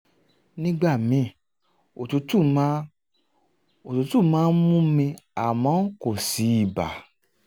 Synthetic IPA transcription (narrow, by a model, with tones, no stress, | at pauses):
nĩ˦ɡ͡ba˦˨mĩ˨˦ | o˨tu˨˦tu˦˨m˦ | o˨tu˨˧tu˦˨mãː˦n̩˦mũ˦mĩ˧a˨mɔ̃˨˦ko˦˨si˨˦i˦˨ba̰˨